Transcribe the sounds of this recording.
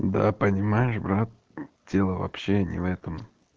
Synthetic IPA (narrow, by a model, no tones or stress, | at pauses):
d̪a̰pənʲɪmajɪʂbɾat̪̚ | dʲe̞lˠəvɐ̰pɕːenʲɪ̰vɛt̪əm